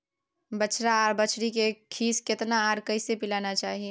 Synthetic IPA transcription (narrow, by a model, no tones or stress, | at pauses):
bət͡ʃɾaːɾbət͡ʃʰɽikekʰiːskɪt̪naaːɾkɐɪsepɪlaːnat͡ʃaːɦie